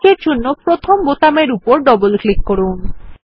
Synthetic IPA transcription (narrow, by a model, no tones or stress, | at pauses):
eɾd͡ʑʱonːopɾot̪ʰombot̪ameɾupoɾɖɔbolklikːoɽun